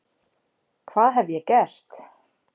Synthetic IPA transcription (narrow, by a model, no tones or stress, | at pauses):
kʰvaːðɦɛvjɛcɛr̥t̪